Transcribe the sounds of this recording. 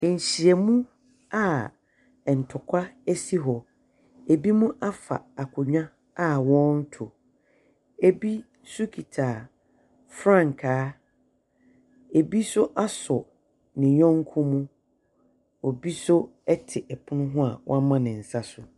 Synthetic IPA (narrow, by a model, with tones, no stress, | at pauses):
n̩˨ɕi˨ɛ˨mũ˦ | a˨ | n̩˨tʰʊ˨kʷʰa˦ɛ˦si˦ɦɔ˨ | e˨bi˦mũ˦ʔa˦fa̰˨a˨kʰʊ˨ɲᶣã˦ | a˦wɔ̃˦n̩˦tʰʊ˨ | e˦bi˦ | sʊ˦kʰi˨tʰaː˨ | fɾã˦˨ŋ˨kʰaː˦ | e˨bi˦sʊ˦ʔa˦sɔ˨ | nɪ̃˨ɲɔ̃˦ŋ˦kʰʊ̃˦mũ˦ | o˨bi˦sʊ˦ɛ˦tʰɪ˨ʔɛ˨pʰʊ˦nʊ̃˦ɦʊ̃˦a̰˨wɔ̰̃˦a˦mã˦nɪ̃˨n̩˨sa˦sʊ˨